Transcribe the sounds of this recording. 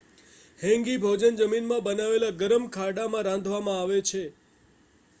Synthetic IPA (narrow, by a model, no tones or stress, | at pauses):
hɛ̃ŋɡibʱod͡ʒənd͡ʒəminmãbənaʋelaɡəɾəmkʰaɽamãɾãnd̪ʱʋamãaʋet͡ʃʰe